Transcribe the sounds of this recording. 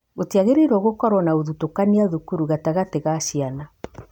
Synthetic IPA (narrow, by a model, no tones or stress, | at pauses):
ɣotiaɣeɾeɾɔɣokɔɾɔnaoðutokaniaðukuɾuɣataɣateɣaʃiana